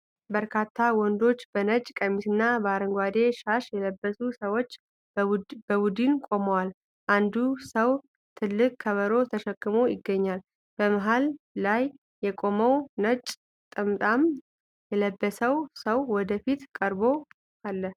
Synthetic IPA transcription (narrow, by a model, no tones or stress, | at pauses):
bəɾkʰat̪ʰːawɔnd̪o̞t͡ʃːbənət͡ʃʼkʼəmisɨnːabəaɾəŋɡʷad̪e̞ʃaʃjɛləbːəsusəwo̞t͡ʃː | bəbud̪ɨnkʷʼo̞məwal | ʔand̪usəw | t̪ʰɨlːɨkʼkʰːəβəɾo̞t̪ʰəʃɛkʼːɨmo̞jɪɡːəɲːal | b̥əməɦalː | ajː | ɛkʼo̞məwnət͡ʃʼ | t̪ʼɨmt̪ʼam | jɛləbːəsəwsəwːɔd̪əfit̪kʼəɾbo̞ | ʔalːəh